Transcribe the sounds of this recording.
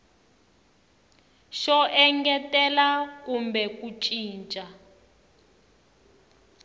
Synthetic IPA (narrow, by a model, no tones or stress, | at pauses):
ʃɔʔɛŋɡɛtɛlakumbɛkut͡ʃʼiːnt͡ʃʼa